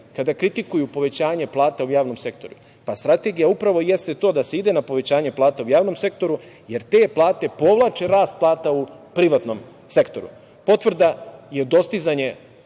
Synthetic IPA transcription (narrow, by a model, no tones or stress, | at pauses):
kad̪akɾit̪ikujupo̞ʋe̞t͡ɕaːɲe̞plˠaːt̪aujaːʋno̞mse̞k̚t̪o̞ɾu | past̪ɾat̪e̞ɡijaupɾaʋo̞je̞st̪et̪o̞ːd̪aseid̪e̞napo̞ʋe̞t͡ɕaːɲe̞plˠaːt̪aujaːʋno̞mse̞kt̪o̞ɾuje̞ɾt̪e̞plˠaːt̪e̞po̞ʋlˠaːt͡ʃe̞ɾaːst̪̚plˠaːt̪aupɾiʋat̪no̞m | se̞kt̪o̞ɾṵ | po̞t̪ʋr̩d̪aje̞d̪o̞st̪izaɲe̞